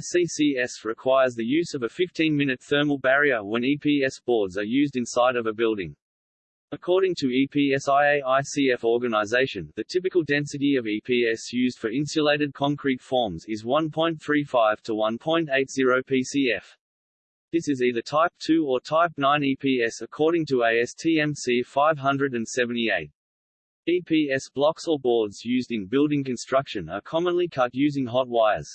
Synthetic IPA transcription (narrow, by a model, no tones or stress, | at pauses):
sisiɛsɹɨkʰw̥aɪə˞zðɨjʉzʌvɨfɪftĩnmɪ̃nɨt̪̚θɜ˞məl̩ˠbæɹiə˞wə̃nipʰiɛsb̥ɔɹdzə˞jʉzdɨ̃nsaɪɾʌvəbɪlˠdɪ̰̃ŋ | əkʰɔɹɾɪ̃ŋtʰɨipʰiɛsaɪeɪaɪsiɛfɔɹɡɨnəɪzeɪʃɨ̃nðɨtʰɪp̬ɨkəl̩ˠdɛ̃nsɨɾiʌvipʰiɛsjʉzd̥fə˞ɪ̃nsəleɪɾɨd̚kʰɑ̃ŋkʰɹ̥itfɔɹmzɪzwʌ̃npʰɔ̃ɪ̃nθɹifaɪv̥tʰəwʌ̃npʰɔ̃ɪ̃nteɪtz̥ɪɹoʊpʰisiɛf | ðɪsɨziðətʰaɪp̚tʰʉə˞tʰaɪp̚nãɪ̃nipʰiɛsəkʰɔɹɾɪ̃ŋtəeɪɛstʰiɛ̃msifaɪv̥ɦʌ̃ndɹɨɾɨ̃nsɛvɨ̃ntieɪt̚ | ipʰiɛsb̥lɑksə˞bɔɹdzjʉzdɨ̃nbɪlˠdɪ̃ŋkɨ̃nstɹ̥ʌkʃɨ̃nə̰˞kʰɑmə̃nlikʰʌtjʉzɪ̃ŋɦɑt̚waɪə̰z̥